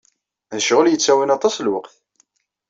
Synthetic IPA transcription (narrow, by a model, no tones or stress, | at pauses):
ðəʃʁəljət͡sːæwinɑt̪ˤɑslwəqθ